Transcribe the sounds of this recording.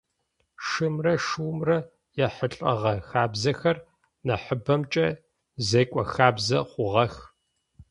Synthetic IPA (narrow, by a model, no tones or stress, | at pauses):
ʂɨmrɐʂuwmrɐ | jɛħəɬʼɐʁɐxaːbzɐxɐr | nɐħəbɐmt͡ʃʼɐ | zeːkʷʼɔxaːbzɐχʷʊʁɐx